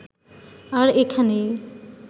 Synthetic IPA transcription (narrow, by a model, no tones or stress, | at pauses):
aɾekʰane